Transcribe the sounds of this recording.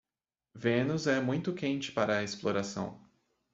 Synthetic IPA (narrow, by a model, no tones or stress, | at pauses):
vẽnʊzɛmũj̃t̪ʊkẽnt͡ʃɪ̥paɾɐesploɾasɐ̰̃w̃